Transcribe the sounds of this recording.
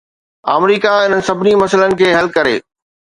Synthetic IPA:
a̰ːmɾiːkaɪn̤ənɪ̆sɐbʱɪnimɐsələnɪ̆kʰeːɦɐlkɐɾḛː

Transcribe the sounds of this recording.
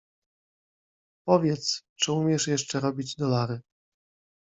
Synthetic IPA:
pɔvʲjɛt̪st͡ʂɘumʲjɛʂjɛʂt͡ʂɛɾɔbʲid͡ʑd̪ɔlaɾɘ

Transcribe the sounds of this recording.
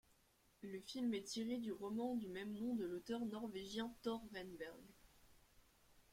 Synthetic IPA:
ləfilmɛt̪ʰiʁed̪yʁɔmɑ̃d̪ymɛmnɔ̃d̪əlot̪œʁnɔʁveʒjɛ̃t̪ɔʁvɛnbɛʁɡ

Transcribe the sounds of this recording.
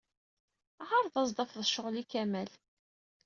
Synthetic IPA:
ʁɑɾˤðɑzd̪ˤɑfðəʃʊʁlikæmæl

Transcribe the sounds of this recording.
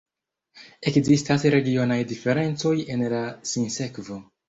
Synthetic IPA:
e̞kzistasɾe̞ɡio̞najdife̞ɾe̞nt͡so̞jenlasinse̞kvo̞

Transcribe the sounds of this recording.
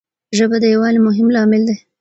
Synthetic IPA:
ʒəbad̪əjawɑlemʊɦɪmlɑmɪld̪e

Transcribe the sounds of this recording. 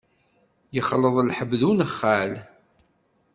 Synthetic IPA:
jəχːləðˤlħəbːðunəχːæl

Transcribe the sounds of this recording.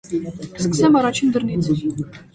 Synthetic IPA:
skə̥sɛmɑɾɑt͡ʃʰind̪əɾnint͡s

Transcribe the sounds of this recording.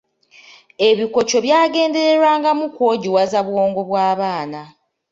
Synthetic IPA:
e̞βiko̞t͡ʃo̞βjaːɡe̞ːnde̞ɾe̞ɾwaːŋɡamukwo̞ːɟiwazaβwo̞ːŋɡo̞βwaːβaːna

